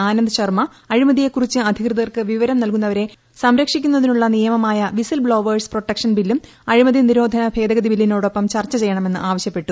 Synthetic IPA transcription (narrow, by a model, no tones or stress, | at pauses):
aːnɐnd̪ɨɕɐrmɐːɻimɐðije̞kːurit͡ɕːɨɐd̪ʱikrɨðɐɣɐrkɨʋiʋɐɾɐmnɐlkun̪ːɐʋɐɾe̞ | sɐmɾɐkʂikʲːunːɐðinuɭːɐnijɐmɐmaːjɐʋisɐlbɭo̞ːʋɐɖspro̞ʈːɐkʂɐnbilːum | ɐɻimɐðiniɾo̞ːd̪ʱɐnɐbʱe̞ːd̪ɐɣɐd̪ibilːinoːɽo̞pːɐmt͡ɕɐrt͡ɕːɐt͡ɕe̞jːɐɳɐmenːɨʔaːʋɐɕjɐpːe̞ʈːu